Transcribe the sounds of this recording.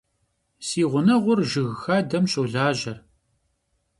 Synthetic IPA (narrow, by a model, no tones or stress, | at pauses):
siːʁʷʊnɐʁʷʊrʒɨɣxaːdɐmɕʼowɮaːʑɐr